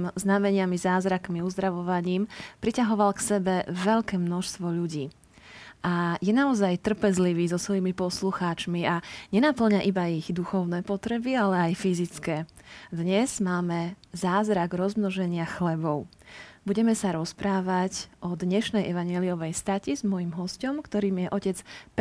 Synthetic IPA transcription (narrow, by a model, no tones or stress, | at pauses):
mznamɛɲɪamizaːzɾakmiuzd̪ɾaʋɔʋaɲiːmpɾicaɦɔʋalksɛbɛʋɛʎkɛːmnɔʃst̪ʋɔʎuɟiː | ʔajɛnaɔzajt̪r̩pɛzliʋiːzɔsʋɔjimipɔsluxaːt͡ʃmiaɲɛnapl̩ɲaʔibaiɣd̪uxɔʊnɛːpɔt̪ɾɛbialɛajfizit͡skɛːd̪ɲɛz̥maːmɛ | zaːzɾaɡɾɔzmnɔʒɛɲɪaxlɛbɔʊ | buɟɛmɛsaɾɔspɾaːʋaɟʔɔd̪ɲɛʃnɛjʔɛʋaɲjɛliɔʋɛjst̪acizmɔjimɦɔscɔmkt̪ɔɾiːmijɛʔɔcɛt͡sp